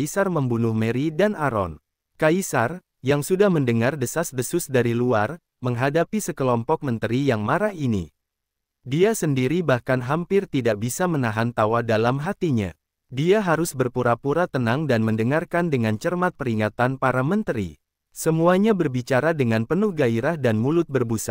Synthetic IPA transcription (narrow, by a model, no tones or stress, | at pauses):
isarməmbunʊhməɾidanaɾɔ̰n | kaisar | jaŋsudahməndəŋardəsasdəsʊsdaɾiluar | məŋɦadapisəkəlɔmpɔk̚mənt̪əɾijaŋmaɾahinḭ | diasəndiɾibahkanɦampɪrt̪idaʔ̚bisamənaɦant̪awadalamɦat̪iɲa̰ | diaɦaɾʊsbərpuɾapuɾat̪ənaŋdanməndəŋarkandəŋant͡ʃərmat̪̚pəɾiŋat̪anpaɾamənt̪əɾḭ | səmuaɲabərbit͡ʃaɾadəŋanpənʊhɡaiɾahdanmulʊt̪̚bərbusa̰